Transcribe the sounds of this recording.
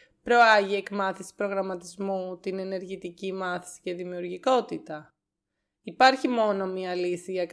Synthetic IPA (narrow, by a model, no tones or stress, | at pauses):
pɾo̞ɐʝie̞kmɐθisi̥pɾo̞ɣɾɐmɐt̪izmut̪ine̞ne̞ɾʝit̪icimɐθi̥si̥ce̞ðimiuɾʝiko̞t̪it̪ɐ | ipɐɾçimo̞no̞miɐlisiʝɐk